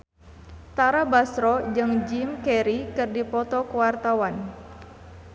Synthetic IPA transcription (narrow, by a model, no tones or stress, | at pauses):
t̪aɾabasɾɔd͡ʒɨŋd͡ʒimkɛɾikɨrdipɔt̪ɔkəwart̪awan